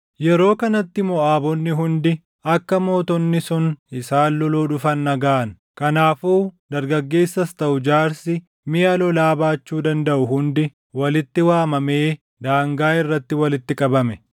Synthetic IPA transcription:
jɛɾo̞ːkɐnɐt̪ːɪmɔʔaːbɔnːɪɦʊnd̪ɪ | ɐkːɐmo̞ːt̪ɔnːɪsʊnɪsaːlːɔloːᶑʊfɐnːɐɡaːʔɐn | kɐnaːfuːd̪ɐɾɡɐɡːe̞ːsːɐst̪ɐʔʊd͡ʒaːɾsɪ | mɪjɐlɔlaːbaːt͡ʃːuːd̪ɐnd̪ɐʔʊɦʊnd̪ɪ | wɐlɪt̪ːɪwaːmɐmeː | d̪aːŋɡaːɪrːɐt̪ːɪwɐlɪt̪ːɪkʼɐbɐmɛ

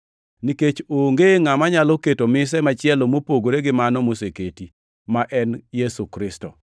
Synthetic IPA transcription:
niket͡ʃoŋɡeŋamaɲalɔketomɪs̬ɛmat͡ʃɪɛlomopoɡoɾeɡɪmanɔmoseketi | maʔɛnjesukɾɪstɔ

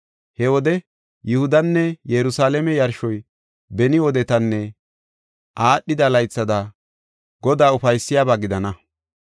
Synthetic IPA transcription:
hɛwɔd̪ɛ | jʊhʊd̪ɐnːɛjɛɾʊsaːlɛmɛjɐɾʃɔj | bɛnɪwɔd̪ɛt̪ɐnːɛ | ʔaːɗːɪd̪ɐlɐjt͡sːɐd̪ɐ | ɡɔd̪aːʊfɐjsːɪjaːbaːɡɪd̪ɐnɐ

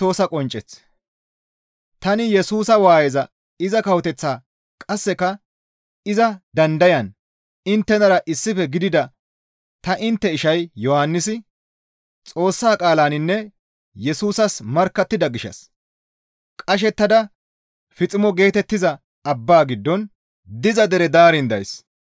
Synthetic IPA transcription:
t̪oːsɐkʼɔnt͡ʃʼːɛt͡s | t̪ɐnɪjɛsuːsɐwaːjɛzɐ | ɪzɐkɐwɔt̪ɛt͡sːaː | kʼɐsːɛkɐ | ɪzɐd̪ɐnd̪ɐjɐn | ɪnt̪ːɛnɐɾɐʔɪsːɪfɛɡɪd̪ɪd̪ɐ | t̪ɐʔɪnt̪ːɛɪʃɐjjɔhanːɪsɪ | t͡sʼo̞ːsːaːkʼaːlaːnɪnːɛ | jɛsuːsɐsmɐɾkːɐt̪ːɪd̪ɐɡɪʃɐ̰s | kʼɐʃ̬ɛt̪ːɐd̪ɐ | fɪt͡sʼɪmɔɡe̞ːt̪ɛt̪ːɪzɐ | ɐbːaːɡɪd̪ːɔn | d̪ɪzɐd̪ɛɾɛd̪aːɾɪnd̪ɐ̰js

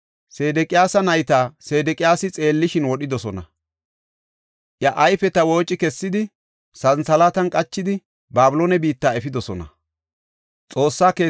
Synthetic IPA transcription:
se̞ːd̪ɛkʼɪjaːsɐnɐjt̪aːse̞ːd̪ɛkʼɪjaːsɪt͡sʼe̞ːlːɪʃɪnwɔɗɪd̪ɔsɔnɐ̰ | ʔjɐʔɐjfɛt̪ɐwo̞ːt͡ʃʼːɪkɛsːɪd̪ɪ | sɐnsɐlaːt̪ɐnkʼɐt͡ʃːɪd̪ɪ | baːbʊloːnɛbiːt̪ːaːɛfɪd̪ɔsɔnɐ̰ | t͡sʼo̞ːsːaːkeː

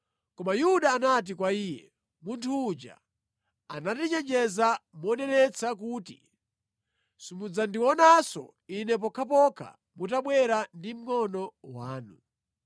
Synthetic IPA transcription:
kɔmajuɗaːnat̬ikwaiːjɛ̰ | muntʰuːd͡ʒa̰ | anatit͡ʃɛd͡ʒɛzamɔnɛnɛt͡sʰakutḭ | simud͡zandiwɔnasɔ̰ | inɛp̬ɔkʰap̬ɔkʰa̰ | mutaɓwɛɾandim̩ŋɔnɔwaːnu

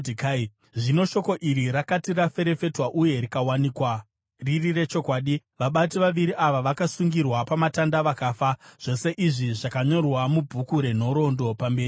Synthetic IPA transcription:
ika | ʐino̞ʃo̞ko̞ʔiɾiɾakatirafe̞ɾe̞fe̞twaʔuje̞ɾikawaniːkwa | ririre̞t͡ʃo̞kwaːɗiʋaɓatiʋaʋiɾiʔaʋaʋakasuŋɡirwapamatandaʋakaːfaʐ̥o̞se̞ʔiʐiʐakaɲo̞rwamubʱukuɾe̞n̤o̞ɾo̞ndo̞pambe̞ːrii

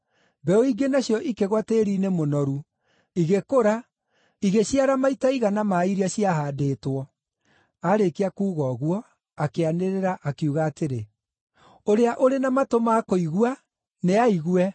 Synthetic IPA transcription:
bɛoiɡenaɕjɔʔikeɣwateːɾiːnemonɔɾu | iɣekoɾa | iɣeɕjaɾamaitaiɣanamaiɾiaɕiaɦadeːtwɔ | aɾekeakuːɣɔɣwɔ | akeaneɾeɾaʔakiuɣaːteɾe | oɾeaʔoɾenamatomakoiɣua | neaiɣwɛ

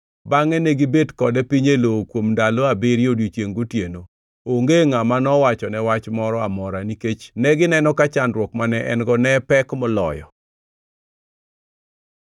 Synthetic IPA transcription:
baŋɛnɛɡibedkɔdɛpiɲelokwomndaloabiɾjodit͡ʃjeŋɡotjeno | oŋɡeŋamanɔwat͡ʃɔnɛwat͡ʃmɔɾɔamɔɾaniket͡ʃnɛɡɪnɛnɔkat͡ʃandɾwɔkmanɛʔɛ̰nɡɔnɛpɛkmɔlɔ̰jɔ̰

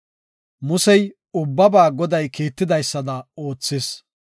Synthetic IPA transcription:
mʊsɛj | ʊbːɐbaːɡɔd̪ɐjkiːt̪ːɪd̪ɐjsːɐd̪ɐo̞ːt͡sːɪs

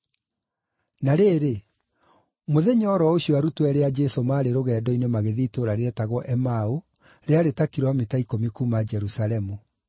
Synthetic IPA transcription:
naɾeːɾe | moðeɲɔːɾɔoɕiɔaɾutwɛɾead͡ʒɛsomaːɾeɾoɣɛːdɔinemaɣeðiːtoɾaɾeɛtaɣwɔʔɛmao | ɾeaɾetakiɾɔmetaikomikuːmad͡ʒɛɾusalɛmu

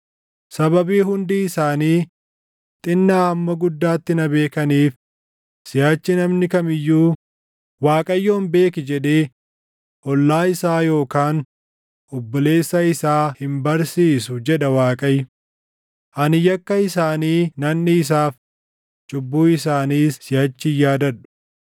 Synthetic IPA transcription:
sɐβɐbiːhʊnd̪iːɪsaːniː | t̪ʼɪnːaːhɐmːɐɡʊd̪ːaːt̪ːɪnɐbe̞ːkɐniːf | sɪjaːt͡ʃːɪnɐmnɪkɐmɪjːuː | waːkʼɐjːoːnbe̞ːkɪd͡ʒɛᶑ̪eː | ʔɔlːaːɪsaːjo̞ːkaːn | ʔʊbːʊle̞ːsːɐɪsaːhɪmbɐɾsiːsʊd͡ʒɛᶑɐwaːkʼɐj | ʔɐnɪjɐkːɐɪsaːniːnɐnːɪːs̬aːf | t͡ʃʼʊbːuːɪsaːniːsɪjɐt͡ʃːɪjaːd̪ɐᶑʊ̥

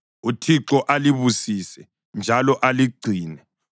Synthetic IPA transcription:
utʰiǁɔʔaliβusisɛ | nd͡ʒʱalɔʔaliɡ͡ǀʱiːnɛ

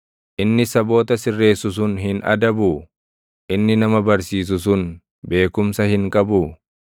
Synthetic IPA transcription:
ʔɪnːɪsɐbo̞ːt̪ɐsɪrːe̞ːsʊs̬ʊnɦɪnɐ̰d̪ɐbʊ | ʔɪnːɪnɐmɐbɐɾsiːs̬ʊs̬ʊn | be̞ːkʊmsɐhɪŋkʼɐbʊ

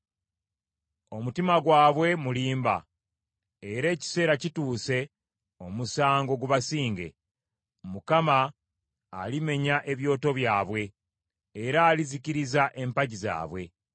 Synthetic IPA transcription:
o̞mutimaɡwaːβwe̞muliːmba̰ | eɾe̞ːci̥se̞ːɾacituːse̞ | o̞musaːŋɡo̞ɡuβasiːŋɡe̞̰ | mukamaː | lime̞ɲaʔe̞βjo̞ːto̞βjaːβwe̞ː | ɾaːliziciɾizaʔe̞mpaɟiza̰ːβwe̞

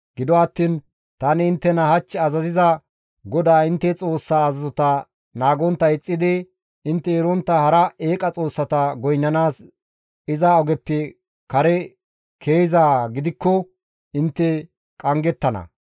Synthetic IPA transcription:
ɡ̥ɪd̪ɔɐt̪ːiːn | t̪ɐnɪɪnt̪ːɛnɐhɐt͡ʃːɛɐzɐzɪzɐ | ɡɔd̪aːɪnt̪ːɛt͡sʼo̞ːsːaːzɐzɔt̪ɐ | naːɡɔnt̪ːɐɪt͡sʼːɪd̪ɪ | ɪnt̪ːɛɛɾɔnt̪ːɐhɐɾɐeːkʼɐt͡sʼo̞ːsːɐt̪ɐɡɔjnːɐnaːs | ɪzaɔɡɛpːɛ | kɐɾɛ | kʰe̞ːjzaːɡɪd̪ɪkːɔ | ɪnt̪ːɛ | kʼɐŋɡɛt̪ːɐnɐ̰

